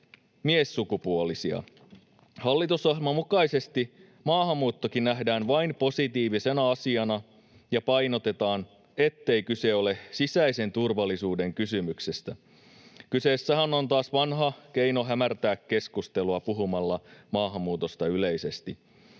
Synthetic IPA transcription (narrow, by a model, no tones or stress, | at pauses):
miesːukupuolisiɑ̰ | hɑlːit̪usɑhmɑmukɑise̞st̪i | mɑːhɑmːuːt̪ːokinnæɦdæːnʋɑinpo̞sit̪iːʋise̞næɑsiɑnɑ | jɑpɑjno̞t̪e̞t̪ɑːn | e̞t̪ːe̞ikyse̞o̞le̞sisæise̞nt̪urʋɑlːˑisuːde̞ŋkysymyksest̪æ | kyse̞ːsːæɦæno̞nt̪ɑːsʋɑnɦɑk̟e̞jno̞ɦæmært̪æːkːe̞skust̪e̞luɑpuɦumɑlːɑmɑːɦɑmːuːt̪o̞st̪ɑyle̞jse̞st̪i